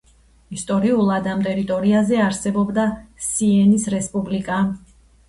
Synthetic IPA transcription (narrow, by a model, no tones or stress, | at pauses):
ist̪ʼɔɾiulˠad̪amt̪ʼɛɾit̪ʼɔɾiazɛaɾsɛbɔbd̪asiɛnisɾɛspʼublikʼa